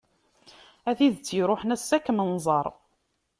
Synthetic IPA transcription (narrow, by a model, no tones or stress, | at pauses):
æθiðt͡sːjiɾoħənæsːækːmənzˤɑɾˤ